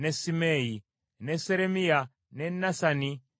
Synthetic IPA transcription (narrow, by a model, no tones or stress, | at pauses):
nɛsimɛi | nɛsɛɾɛmia | nɛnasani